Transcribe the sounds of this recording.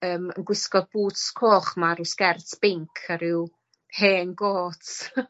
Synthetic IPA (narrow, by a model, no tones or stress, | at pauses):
əːmə̰nɡwɪskɔbuːtskʰoːχmaɾɪskɛrtʰb̥ɪŋkʰəɾɪw | heːnɡoːtʰ